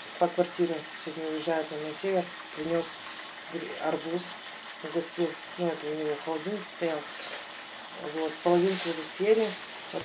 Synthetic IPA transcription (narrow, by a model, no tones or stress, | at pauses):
pəkvɐrtʲiɾʲɪsʲvʲodʲnʲəʊjɪʐːajʊt̪namnɐsʲevʲer | pɾʲɪnʲo̞s | ɡɾʲɐrbus | ɡɐsʲt̪ʲilˠ | nuɛt̪ʊnʲɪvoχɐlˠɐdʲinʲt̪st̪ɐjalˠ | vo̞t̪pəlˠɐvʲink̪əəɡ̪ɐsʲjenʲɪ | o